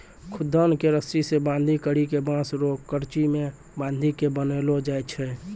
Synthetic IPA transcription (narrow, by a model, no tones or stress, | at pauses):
kʰʊd̪ʱːənkeɾəsɾisebãnd̪ʱikəɾikebãsɾokːəɾt͡ʃime | bãnd̪ʱikebənelod͡ʒajt͡ʃʰɛ